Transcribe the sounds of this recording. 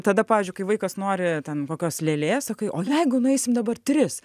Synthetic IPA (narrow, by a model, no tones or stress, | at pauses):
t̪ɐd̪ɐpɑːʋʲiːzʲd͡ʒʲʊɪkɐɪʋɐɪkɐsnoːɾʲɪt̪ʲɛnkoːkʲoːslʲeːlʲeːssɐkɐɪʔoːjɛɪɡʊnʊɛɪsʲɪmd̪ɐbɐrt̪ʲɾʲɪs